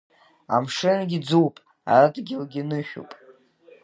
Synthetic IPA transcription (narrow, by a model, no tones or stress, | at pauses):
a̰mʂɨnɡʲid͡zuwpʼ | a̰radɡʲɪlɡʲinɨʃᶣṵpʼ